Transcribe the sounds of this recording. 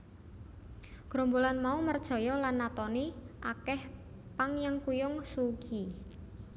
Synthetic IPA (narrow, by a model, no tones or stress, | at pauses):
ɡ̥ɾombolanmaumərd̥ʒ̥ɔ̤jɔlanːat̪ɔneʔakɛh | paŋjaŋkujʊŋsuɡ̥i